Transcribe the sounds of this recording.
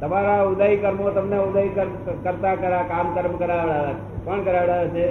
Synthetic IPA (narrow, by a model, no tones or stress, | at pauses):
t̪əmaɾaʊd̪aikəɾmot̪əmneʊd̪aikəɾ | kəɾt̪akəɾakamkəɾmkəɾaɽaat͡ʃʰepəɳkəɾaʋɽaat͡ʃʰe